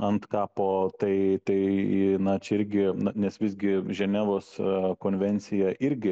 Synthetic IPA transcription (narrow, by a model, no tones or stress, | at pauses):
ɐnt̪kɑːpoːt̪ɐɪt̪ɐɪnɐt͡ʃʲɛɪɾʲɡʲɪnɐnʲɛsʋʲɪsʲɡʲɪʒʲɛnʲæːʋoːskoːnʲʋʲɛnʲt̪sʲɪjɛʔɪɾʲɡʲɪ